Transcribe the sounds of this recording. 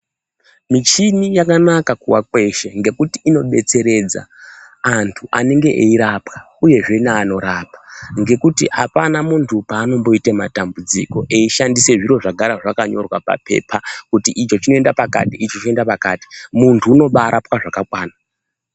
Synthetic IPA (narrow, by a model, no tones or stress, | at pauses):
mit͡ʃinijakanakakuwakwe̞ʃeŋɡe̞kutiːno̞ɓe̞t͡se̞ɾe̞d͡za̰ː | ntʰuʔa̰neŋɡe̞ʔeiɾapka | uje̞ʐe̞naːno̞ɾaːpḁŋɡe̞kutiapanamuntʰupaːno̞mbo̞itema̰tambud͡zḭko̞ʔe̞iʃandise̞ʐiɾo̞ʐaɡʱaɾaʐakaɲo̞̰rwapa̰pʰe̞̰ːpʰakutiʔit͡ʃo̞t͡ʃino̞e̞ndapaka̰tiit͡ʃot͡ʃoendapakaːti̥muntʰuːno̞ɓaːɾʔapwaʐakakwaːna